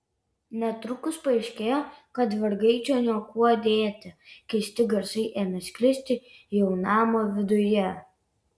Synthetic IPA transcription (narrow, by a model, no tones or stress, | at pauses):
nʲɛt̪ɾʊkʊspɐɪʃʲkʲeːjoːkɐt̪ʋʲɐɾɡɐɪt͡ʃʲoːnʲiɔkuɔd̪ʲeːt̪ʲɪkʲɛɪsʲt̪ʲɪɡɐɾsɐɪʔeːmʲɛsʲkʲlʲɪsʲt̪ʲɪjɛʊnɑːmoːʋʲɪd̪ʊjɛ